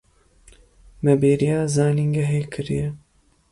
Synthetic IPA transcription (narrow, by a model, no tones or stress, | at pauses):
mɛbeːɾijaːzaːniŋɡɛɦeːkʰɨɾḭjɛ